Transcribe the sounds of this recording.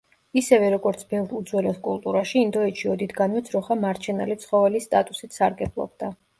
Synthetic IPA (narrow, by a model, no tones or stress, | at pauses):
isɛvɛɾɔɡɔɾt̪sʰbɛvɾud̪zwɛlɔskʼulˠt̪ʼuɾaʃiːnd̪ɔɛtʃʰiɔd̪it̪ɡanmɔt̪sʰɾɔχamaɾt͡ʃʰɛna̰lit̪sʰχɔvɛlist̪ʼat̪ʼusit̪saɾɡɛblˠɔ̰b̚d̪a